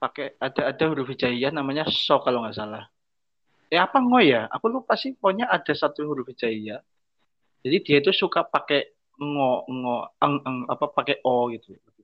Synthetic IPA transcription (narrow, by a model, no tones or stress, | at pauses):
pakɛad̪̥aːd̥a̤huɾufi̥d͡ʒaijahnamaɲasɔkaloŋasalah | ɛapaŋɔjaa̰kulupasipɔɲaʔad̥a̤sat̪uɦuɾufi̥d͡ʒ̥aijah | d̥d͡ʒ̥adid̪̥ijait̪̬usukapakɛ | ŋɔŋɔəŋʔəŋa̰papakɛʔɔɡit̪u